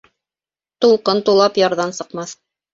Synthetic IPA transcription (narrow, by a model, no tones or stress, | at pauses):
t̪ulˠqɤnt̪ulˠɑpjɑɾðɑnsɤ̆qmɑθ